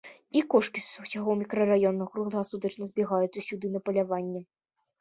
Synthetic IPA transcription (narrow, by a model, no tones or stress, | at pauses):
ikɔʂkʲissʲaɣɔwmʲikɾɐrajɔnːɐɣɾuɣlˠɣasud̪ɐt͡ʂnɐzʲbʲiɣajut̪sːɐsʲud̪ɨnɐpɐlʲavanʲːɛ